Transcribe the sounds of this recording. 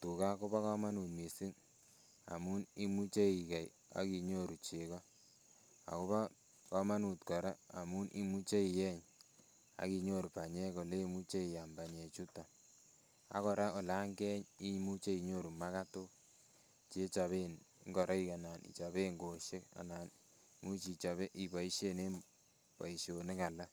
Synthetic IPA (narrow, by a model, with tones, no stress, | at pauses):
tu˨ka˦ko˦ba˦kɔ˦ma˦nu˨t̚mi˨si˦ŋ | a̰˨mu˦ni˦mu˦t͡ʃe˦i˨ka˨j | a̰˨˦ki˨ɲo˦ɾu˨t͡ʃe˨kɔ˦ | a̰˨ko˦βa˦ | kɔ˦ma˦nu˨tkɔ˨ɾa˦a˨mu˦nʔi˦mu˦t͡ʃe˦i˨jɛ˦ɲ | a̰˦ki˨ɲo˦˨ɾu˨pa˨ɲɛ˦ko˨le˦i˦mu˦t͡ʃe˦i˨ja˨mba˨ɲe˨t͡ʃu˦ta˨ | a̰˦kɔ˨ɾa˦o˨la˦ŋɡɛ˦ɲi˦mu˦t͡ʃe˦i˨ɲo˦˨ɾu˨ma˦ka˦to˦ | t͡ʃe˦t͡ʃa˨βenŋɡɔ˨ɾʔa˦i˦ka˨na˨nḭ˨t͡ʃa˨βe˦ŋɡo˨ʃe˦ka̰˨na˨n | mu˦t͡ʃi˨t͡ʃa˨βe˦ʔi˨ba˨i˦ʃe˦ne˦ | bɔ̰˨i˨ʃo˨ne˦ka˨la˦